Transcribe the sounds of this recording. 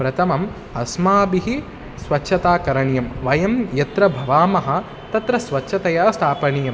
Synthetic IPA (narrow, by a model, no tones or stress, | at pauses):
pɾɐt̪ʰɐmɐm | ɐsmaːbiɦi | sʋɐtːʃʰɐt̪aːkɐɾɐɳjɐmʋɐjɐmjɐt̪ɾɐbʱɐʋaːmɐɦɐ̆ | t̪ɐt̪ɾɐsʋɐtʃʰɐt̪ɐjaːst̪ʰaːpɐnijɐm